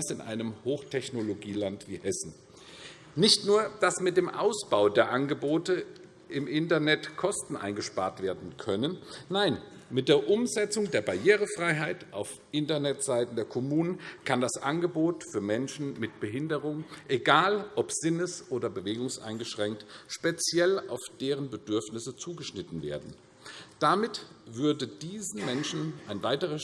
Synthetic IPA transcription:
asɪnʔa̰ɪnəmhoːxtʰɛçnoloɡiːlantv̥iːhɛsn̩ | nɪçtnuːɐd̥asmɪt̚d̥eːmʔa̰ʊsb̥aʊdeːɐʔanɡəboːtə | ʔɪmʔɪntɐnɛtkʰɔstn̩ʔa̰ɪnɡəʃpaːɐtv̥eːɐdn̩kʰœnənːaɪnmɪt̚d̥eːɐʔʊmzɛt͡sʊŋdeːɐbaɐjeːʁ̞əfʁ̥aɪɦaɪtʔaʊfʔɪntɐnɛtz̥aɪtn̩deːɐkʰɔmuːnənkʰandasʔanɡəboːtfyːɐmɛnʃn̩mɪt̚b̥əɦɪndəʁʊŋʔeɡaːlʔɔpz̥ɪnəsʔoːdɐbəveːɡʊŋsʔa̰ɪnɡəʃʁ̥ɛŋk̚tʃpet͡sjɛla̰ʊfd̥eːʁənbədʏɐfnɪsət͡suːɡəʃnɪtn̩veːɐdn̩ | d̥amɪt | v̥ʏɐdəd̥iːzn̩mɛnʃn̩ʔaɪnvaɪtəʁə

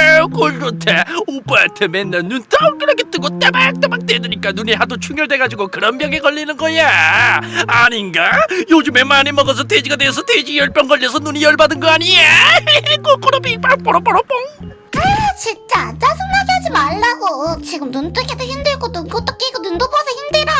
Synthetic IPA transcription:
k͈oɭd͡ʑotʰeop͈aetʰemenːennunt͈ʌk͈ɯɾʌkʰet͈ɯɡot͈emak̚t͈emak̚t͈wedɯɲik͈anuniɦadot͡ɕʰuŋjʌɭdwe̞ɡad͡ʑiɡokɯɾʌnbjʌŋekʌʎːinɯnɡʌjaː | ɲinɡajod͡ʑume̞manimʌɡʌs̬ʰʌted͡ʑiɡadwesʰʌted͡ʑijʌɭp͈jʌŋɡʌʎːʌsʰʌnunijʌɭbadɯnɡʌaɲiek͈ok͈ʌɾʌpip͈ʌɾp͈ʌɾʌp͈ʌɾʌp͈oŋ | at͡ɕit͡ɕ͈at͡ɕasʰɯŋnasad͡ʑimaɭːaɡot͡ɕiɡɯmnunt̪͈ɯkʰet̪ʰoçimd̪ɯɭɡonunɡot͈ʌk͈ekonund̪opʰʌsʰʌhimdɯɾa

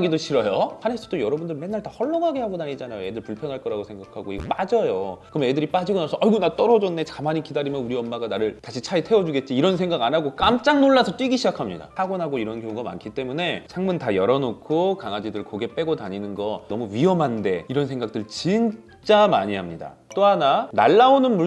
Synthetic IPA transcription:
ɡidoɕʰiɾʌjohanesʰʌ̥dojʌɾʌbundɯɭme̞nːaɭtahʌɭːʌŋaɡe̞haɡonaɲid͡ʑanajoe̞dɯɭpuɭpʰjʌnɦaɭk͈ʌɾaɡosʰe̞ŋɡakʰaɡoiɡʌp͈ad͡ʑʌjokɯɾʌmedɯɾip͈ad͡ʑiɡonasʰʌʌjɡɯnaɭt͈ʌɾʌd͡ʑʌnːe̞t͡ɕamaɲikidaɾimjʌnuɾiʌmːaɡanaɾɯɭtaɕʰit͡ɕʰaitʰewʌd͡ʑuɡe̞t̚t͡ɕ͈iːɾʌns̬ʰe̞ŋɡaɡanaɡok͈amt͡ɕ͈aŋnoɭːasʰʌt͈wiɡiɕʰid͡ʑakʰamɲida̰aɡonaɡoiɾʌnkjoŋuɡama̰nkʰit͈e̞mune̞t͡ɕʰaŋmuntajʌɾʌnokʰokaŋad͡ʑidɯɭkoɡe̞p͈e̞ɡotaɲinɯnɡʌnʌmuɥiɦʌmɦande̞iɾʌnsʰe̞ŋɡak̚t͈ɯɭt͡ɕin | t͡ɕ͈ama̰ɲiɦamɲida̰ | t͈oɦanana̰ɭːaonɯnmu

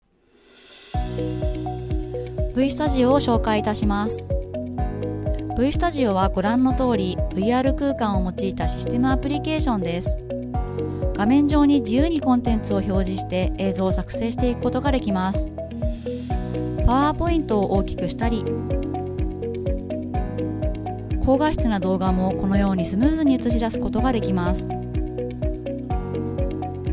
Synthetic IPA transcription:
b̥ɯ̟isɨ̥t̪aʑio̞ːɕo̞ːkait̪aɕimasɨ̥ | b̥ɯ̟isɨ̥t̪aʑio̞βaɡo̞ɾãnːo̞t̪o̞ːɾʲib̥ɯ̟iaːɾɯ̟kɯ̟ːkãɰ̃o̞mo̞t͡ɕiːt̪aɕi̥sɨ̥t̪e̞mɯ̟apɯ̟ɾʲike̞ːɕõ̞nd̪e̞sɨ̥ | ɡ̥amẽ̞ɲ̟d͡ʑo̞ːɲ̟id͡ʑijɯːɲ̟ikõ̞nt̪ẽ̞nt͡sɨo̞ço̞ːʑiɕi̥t̪e̞ʔeːzo̞ːsakɯ̟̥se̞ːɕi̥t̪e̞ikɯ̟ko̞t̪o̞ɡad̪e̞kʲimasɨ̥ | paβaːpo̞ĩnt̪o̞ːʔoːkʲi̥kɯ̟ɕi̥t̪aɾʲi | kʰo̞ːɡaɕi̥t͡sɨnad̪o̞ːɡamo̞ko̞no̞jo̞ːɲ̟isɨmɯ̟ːzɨɲ̟iɯt͡sɨɕ̬id̪asɨ̥ko̞t̪o̞ɡad̪e̞kʲimasɨ̥

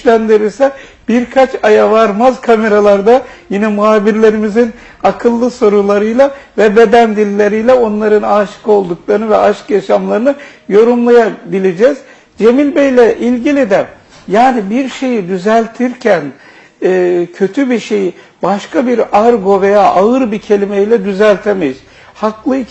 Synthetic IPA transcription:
ʃlʲænd̪iɾiɾsɛb̥iɾkʰat͡ʃʰajavaɾmazkʰame̞ɾalˠaɾd̪ajinɛmuɦaːbiɾlʲe̞ɾimizin | akʰɯlˠːɯso̞ɾulˠaɾɯjlˠavɛbe̞d̪ænd̪ilʲːe̞ɾijlʲɛo̞nlˠaɾɯnaːʃkʰo̞lˠd̪uklˠaɾɯnɯvɛʔaʃkjaʃamlˠaɾɯnɯjo̞ɾumlˠajabilʲed͡ʒɛːz̥ | d͡ʒe̞milʲbejlʲɛʔilʲɟilʲid̪ɛ | jaːnibiɾʃe̞jid̪yzælʲt̪ʰiɾcʰænː | cʰø̞t̪ʰybiɾʃe̞ji | baʃkabiɾaɾɡo̞ve̞jaːʔaɯɾbiɾcʰe̞lʲimeilʲɛd̪yzælʲt̪ʰemejiz | haklˠɯi

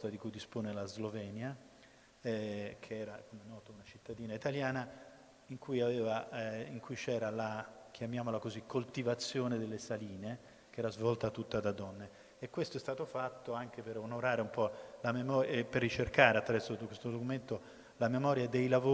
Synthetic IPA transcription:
t̪ad̪ikujd̪ispoːnelazlovɛːnja | kʰeɛːɾakomenːɔːt̪ounat͡ʃit̪ːad̪iːnait̪aljaːna | iŋkujaveːvaiŋkujt͡ʃɛːɾalak̟ʰjamjaːmolakozikʰːolt̪ivat̪sːjoːned̪elːesaliːne | k̟eɛːɾazvɔlt̪at̪ːut̪ːad̪ad̪ɔnːe | ekːwest̪oɛst̪aːt̪ofat̪ːoaŋk̟eperonoɾaːɾeumpɔlamemɔeperːit͡ʃerkaːɾeat̪ːɾavɛrsod̪kwest̪od̪okument̪o | lamemɔːɾjad̪ejlavo

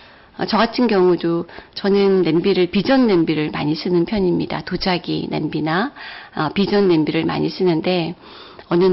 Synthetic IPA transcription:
ʌt͡ɕʌɡatʰɯnɡjʌŋudot͡ɕʌnɯnːe̞mbiɾɯɭpid͡ʑʌnːe̞mbiɾɯɭma̰ɲis͈ʰɯnɯnpʰjʌɲimɲida̰tod͡ʑaɡḭnembinaʌpid͡ʑʌnːe̞mbiɾɯɭma̰ɲis͈ʰɯnɯnde̞ | ʌnɯ

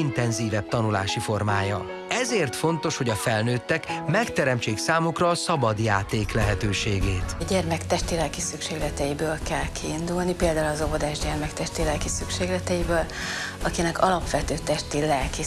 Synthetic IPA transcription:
int̪ɛnziːvɛb̚t̪ɒnula̰ːʃifo̞rmaːjɒ | ɛzeːrt̪fo̞nt̪o̞ʃhoɟɒfɛlnøːt̪ːɛkmɛkt̪ɛɾɛmt͡ʃeːksaːmukrɒːsɒbɒd̪jaːt̪eːklɛɦɛt̪øːʃeːɡeːt̪ɟɛrmɛkt̪ɛʃt̪eːlɛlkisykʃeːɡlɛt̪ɛjibøːlkɛlkʰiːnd̪ulnipeːld̪aːulɒzobod̪aːʒɟɛrmɛkt̪ɛʃt̪eːlɛlkisykʃeːɡlɛt̪ɛjibøːl | ɒkinɛkɒlɒpʋɛt̪øːt̪ɛʃt̪eːlɛlki

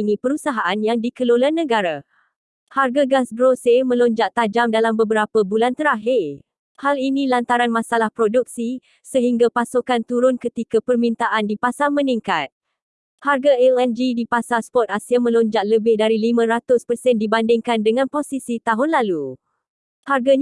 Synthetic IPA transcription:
inĩpəɾusaɦaʔanjaŋdikəlolanːə̃ɡaɾa | harɡaɡasɡɾosemə̃lɔɲd͡ʒaʔt̪ad͡ʒamdalambəbəɾapəbulant̪əɾaɦɪr | halinĩlant̪aɾanmãsalahpɾoduk̚si | səɦiŋɡapasukant̪uɾʊnkət̪ikapərmĩnt̪aʔandipasamə̃niŋkat̪̚ | harɡaɛlɛnd͡ʒidipasaspɔt̪̚asiamə̃lɔɲd͡ʒaʔləbɪhdaɾilimãɾat̪ʊspərsɛndibandɪŋkandəŋãnposisit̪aɦʊnlalu | harɡa

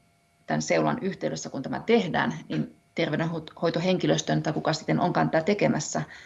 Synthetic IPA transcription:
t̪ænseuwlɑ̰nyht̪euløsːækunt̪æmæ̰t̪ehdæ̰ːnnin | t̪erʋeɾenhohojt̪oɦe̞ŋkiløst̪ønt̪ɑjkukɑsi̥t̪ːenʔoŋkɑnt̪ːæt̪e̞kemæsːæ

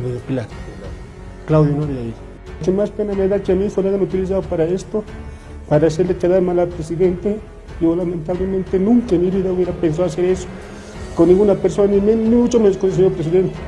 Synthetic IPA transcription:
meðopilaɾ | klawðjonoɾjai | kemaspenameðat͡ʃemikoɾaɣanut̪ilis̬aðopaɾaest̪o | paɾaːs̬eɾlet͡ʃaðaɾmalapɾesiðent̪e | iolament̪aβlemẽnt̪enũŋkamiβiðauβeɾapens̬aas̬eɾeso̥ | konːĩŋɡunapeɾsonanimenmiut͡ʃomenskonseɲoɾpɾes̬iðent̪e̥

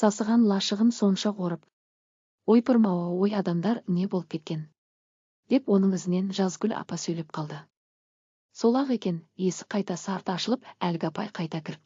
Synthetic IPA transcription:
sɑsəʁɑnlˠɑʃəʁənso̞nʃɑqʰo̞ɾəp | wo̞jpʰəɾmɑwɑwo̞jɑd̪ɑmd̪ɑɾne̞bo̞lˠəp̚kʲʰe̞t̪̚kʲe̞n | d̪̥e̞pwo̞nəɴɪzɪne̞nʒɑzɡʲʏlʲɑ̰pɑsɵjle̞p̚qʰɑlˠd̪ə | so̞lˠɑʁe̞kʲe̞nje̞sɪ̥qʰɑjt̪ɑsəɑɾt̪ɑʃəlˠəpælɡʲɪɑpɑjqʰɑjt̪ɑkʲʰɪɾɪp

